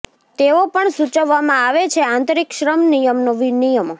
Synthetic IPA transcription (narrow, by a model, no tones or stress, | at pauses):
t̪eopəɳsut͡ʃəʋːamãaʋet͡ʃʰeãnt̪ɾikʃɾəmnijəmnoʋinijəmo